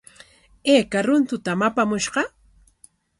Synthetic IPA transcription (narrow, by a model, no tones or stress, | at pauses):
eːkaɾʊnt̪ʊt̪amapamʊʃɢɑ